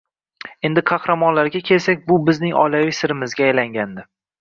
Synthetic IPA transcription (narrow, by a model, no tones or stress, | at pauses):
e̞nd̪ɪqʰɑhɾamɒnlaɾɡʲakʲʰe̞lsak̚ʲbʊbɪznɪŋɒjlavɪjsɪɾɪmɪzɡʲaːjlaŋɡʲand̪ɪ